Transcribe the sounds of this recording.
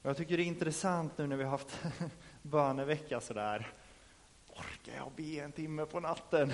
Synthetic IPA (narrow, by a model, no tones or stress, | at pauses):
ɔjɑːt̪ʰʏkːəɖɛɪnt̪ɾɛsant̪nʉ̟ːnæɾvɪhaɦaft̪ | bœːɳəvɛkːasɔd̪æːɾ | ɔɾka̰jɑ̰ːbeːɛnt̪ʰɪmːəpʰɔnat̪ːən